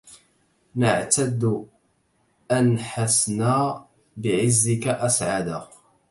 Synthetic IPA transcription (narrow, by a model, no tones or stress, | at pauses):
nəʕt̪ad̪ː | ʔanħasnaː | bɪʕɪzːɪkaʔasʕad̪a